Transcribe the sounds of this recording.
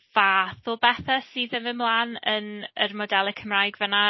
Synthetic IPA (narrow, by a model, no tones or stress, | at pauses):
v̥aːθʊlˠbɛθasiːðɪmvɪmlˠaːnənərmɔdɛlˠəkʰəmraːjɡvəna